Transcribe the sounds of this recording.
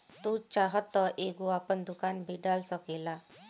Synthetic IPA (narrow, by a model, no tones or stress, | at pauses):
t̪ut͡ʃaɦət̪ːɔʔeɡuapəɳd̪ukanbʱiɖalsəkela